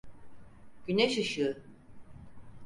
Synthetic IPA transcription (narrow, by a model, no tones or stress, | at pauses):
ɟ̥yneʃɯʃɯ